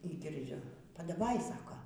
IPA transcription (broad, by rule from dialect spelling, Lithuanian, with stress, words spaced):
iː ɡʲɪrʲˈd͡ʒʲʊ pɐdɐˈʋɐɪ ˈsɑːkoː